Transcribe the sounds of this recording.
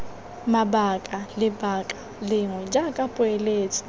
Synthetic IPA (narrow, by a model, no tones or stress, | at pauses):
mabakʼalɪbakʼa | lɪŋwɛd͡ʒakʼapʼʊeleːt͡sʼɪ̥